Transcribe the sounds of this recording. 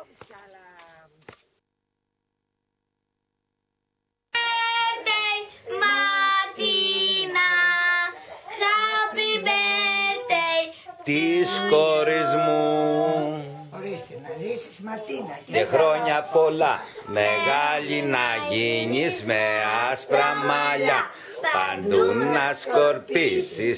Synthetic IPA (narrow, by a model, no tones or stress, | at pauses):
eɾt̪ejmɐt̪inɐ | ɣɐpibeɾt̪ejt̪iskoɾizmu | cexɾo̞ɲɐpo̞lɐ̰me̞ɣɐʎinɐʝiɲizmeɐspɾɐmɐʎɐ | pɐ̰nd̪unːɐskoɾpisi